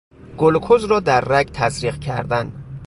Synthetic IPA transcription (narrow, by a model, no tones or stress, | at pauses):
ɡ̥olkʰozɾɒːd̪æɾːæɡt̪ʰæzɾiːqcʰæ̰ɾd̪æn